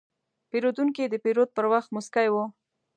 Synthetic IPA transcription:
peɾod̪uŋkid̪əpeɾod̪̚pəɾwaxt̪mʊskajwo

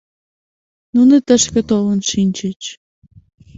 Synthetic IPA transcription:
nunə̆t̪ə̆ʃkə̆t̪olə̆nʃinʲt͡ɕə̆t͡ɕ

